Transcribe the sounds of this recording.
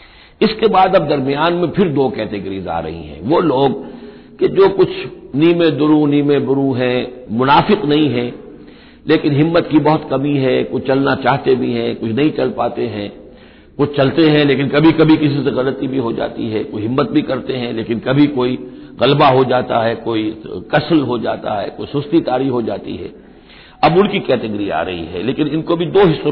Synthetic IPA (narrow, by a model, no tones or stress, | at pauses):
ɪskebaːd̪ɐb̚d̪ɐɾmijaːnmẽpʰɪɾd̪oːkɛːt̪eɡɾiza̰ːɾɐ̰ɦḭ̃ɦɛ̰̃ʋoːloːɡ | ked͡ʒoːkʊt͡ʃʰniːmẽd̪ʊɾuniːmẽd̪ʊɾuɦɛ̃mʊnaːfɪqnɐɦĩɦɛ̃ː | leːkɪnɦɪmːət̪kibɐɦʊt̪kɐmiɦɛkʊt͡ʃʰt͡ʃɐlnat͡ʃaːɦt̪ebʱiɦɛ̃kʊt͡ʃʰnɐɦĩt͡ʃɐlpaːt̪eɦɛ̃ː | kʊt͡ʃʰt͡ʃɐlt̪eɦɛ̃leːkɪnkɐbʱikɐbʱikɪsiseɣɐlət̪ibʱiɦod͡ʒa̰ːt̪ḭɦɛkoiɦɪmːət̪̚bʱikɐɾt̪eɦɛ̃leːkɪnkɐbʱikoːiɣɐlbaɦod͡ʒaːt̪aɦɛkoːikɐsəlɦod͡ʒaːt̪a̰ɦɛko̰ːisʊst̪it̪aːɾiɦod͡ʒaːt̪ḭɦɛː | ɐbʊ̃nkikɛːʈəɡəɾia̰ːɾɐ̰ɦḭɦɛ̰ːleːkɪnɪnkobʱid̪oːɦɪsːo